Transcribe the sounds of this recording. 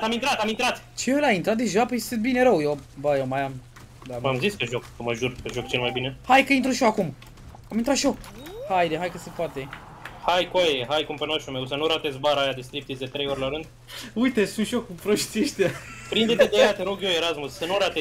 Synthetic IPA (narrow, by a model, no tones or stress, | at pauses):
amint̪ɾat̪amint̪ɾat̪ | t͡ʃeəlaint̪ɾat̪̚d̪e̞ʒapəest̪ɨt̪̚bine̞ɾəwjewbəjewmajam | d̪aamziskeʒokəməʒurpeʒokt͡ʃelmajbinehajkəint̪ɾuʃoakum | amint̪ɾat̪ʃo | hajd̪eɦajkəsepoat̪e | hajkuajeɦajkumpənaʃumewsənuɾat̪es̬ʲbaɾəajad̪est̪ɾip̚t̪isd̪et̪ɾe̞joɾelaɾɨnd̪̚ | ujt̪esunt̪ʃokupɾoʃsʲieʃt̪eapɾind̪et̪ed̪eaat̪eɾoɡjoeɾasmussənuɾat̪e